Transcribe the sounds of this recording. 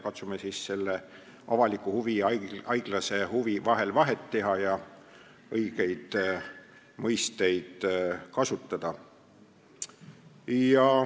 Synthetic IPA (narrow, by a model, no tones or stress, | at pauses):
kɑt̪sumesiːsse̞lːe | ɑ̰vɑlikːˑuhuviɑjɡ̥lɑse̞huvivɑɦe̞lvɑɦe̞t̪ːe̞ɦɑjɑ | ɤjɡ̥e̞jd̪̥ | mɤjst̪e̞jd̪̥kɑsut̪ˑːɑd̪̥ɑ | jɑ